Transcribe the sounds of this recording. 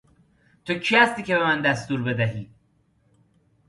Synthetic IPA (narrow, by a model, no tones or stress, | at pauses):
t̪ʰocʰihæst̪iːce̞bemænd̪æst̪uːɾbe̞d̪æɦiː